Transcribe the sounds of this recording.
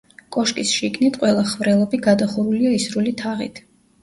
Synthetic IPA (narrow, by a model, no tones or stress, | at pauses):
kʼɔʃkʼisʃiɡnit̪ʰqʼwɛlˠaχvɾɛlˠɔbiɡad̪aχuɾuliaisɾulit̪ʰaʁḭt̪ʰ